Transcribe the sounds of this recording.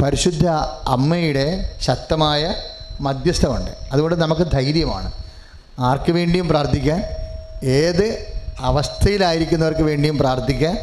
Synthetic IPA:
pɐɾiɕud̪ʱːɐɐ̰mːɐjuɽe̞ɕɐt̪ːɐmaːjɐmɐd̪jɐst̪ʰɐmuɳɖɨ̰ɐðuɣo̞ɳɖɨnɐmɐkːɨd̪ʱɐjɾjɐma̰ːɳɨ | aːrkːɨʋe̞ːɳɖijumpraːrt̪ʰːikʲːaːneːðɨɐʋɐst̪ʰɐjilaːjiɾikʲːunːɐʋɐrkɨʋe̞ːɳɖijumpraːrt̪ʰikʲːaːn

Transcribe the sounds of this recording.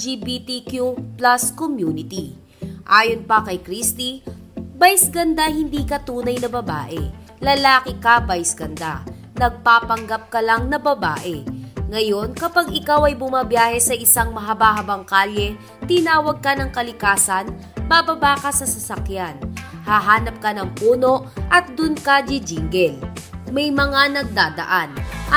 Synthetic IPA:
d͡ʒiːbit̪ikjuplaskomjuːnɪt̪i | ʔaːjonpɐkɐjkɾist̪ibajsɡɐnd̪ahɪnd̪iːkɐt̪uːnɐjnɐbɐba̰ːʔɛ̰ | lɐlaːkɪkɐbajsɡ̥ɐnd̪a̰ | nɐɡ̚paːpɐŋɡap̚kɐlaŋnɐbɐba̰ːʔɛŋɐjo̞nkɐpaɡɪkawɐjbʊmaːbjaːhɛsɐʔɪsaŋmɐɦɐbaɦɐbɐŋkaːlɛ | t̪ɪnaːwɐɡ̚kɐnɐŋkɐlɪkaːsɐn | babɐbaːkɐsɐsɐsɐkjanhaɦaːnɐp̚kɐnɐŋpuːno̞ʔʔɐt̪̚d̪ʊnkad͡ʒɪd͡ʒiŋɡɛlmɐjmɐŋanɐɡ̚d̪aːd̪ɐ̰ʔanʔɐ

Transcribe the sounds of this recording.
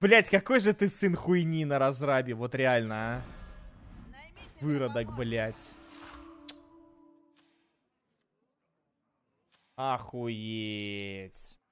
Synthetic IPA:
blʲætʲkɐko̞jʐɨt̪ɨsɨnxʊɪnʲinəɾɐzɾabʲɪvo̞t̪ɾʲɪalʲnəa | vɨɾəd̪əkblʲætʲ | axʊjetʲ

